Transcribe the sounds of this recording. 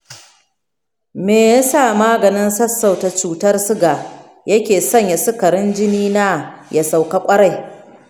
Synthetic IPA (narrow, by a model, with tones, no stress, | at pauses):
meː˨ja˦saː˦˨maː˦ɡɐ˨nɪ˦nsɐ˦sːa˨wta˨t͡ʃuː˨tɐ˦rsʊ˦ɡa˨ | jɐ˦kʲeː˨sɐ˦ɲja˨sʊ˦kɐ˨ɾɪ˦nd͡ʒɪ˦niː˦naː˦ja˨sa˨wka˦kʷʼɐ˦ɽa˦˨j